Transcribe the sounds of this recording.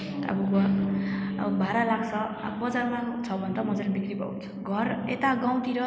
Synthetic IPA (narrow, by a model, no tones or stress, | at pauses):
t̪ʌ̰buɡʌ | ʌ̰bbʱaɾalaɡt͡sʰʌa̰bbʌd͡zarmat͡sʰʌbʱʌnt̪ʌmʌd͡zalebikribʌ̰unt͡sʰʌ̥ɡʱʌrḛt̪aɡaw̃t̪iɾʌ